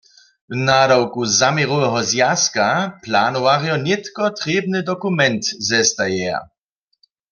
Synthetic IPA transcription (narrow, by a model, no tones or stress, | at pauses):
wnadawkuzamiʁowɛɦɔzjaskaplanɔwaʁjɔnɪt̪kɔt̪ʁeːbnɨd̪ɔkumɛnt̪zɛst̪ajɛa̰